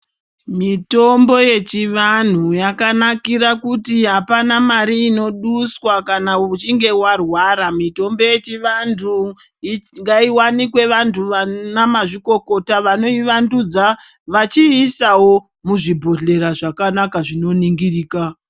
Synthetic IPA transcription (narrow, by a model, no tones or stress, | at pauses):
mito̞mbo̞je̞t͡ʃiʋan̤ujakanakiɾakutiɦapanamaɾiːno̞ɗuswakanaout͡ʃiŋɡe̞warwaːɾamito̞mbo̞je̞t͡ʃiʋantʰu | iŋɡaiwanikwe̞ʋantʰuʋanamaʐiko̞ko̞taʋano̞iʋandud͡za | ʋat͡ʃiːsawo̞ | muʐibʱo̞ɮe̞ɾaʐakanakaʐino̞niŋɡiriːka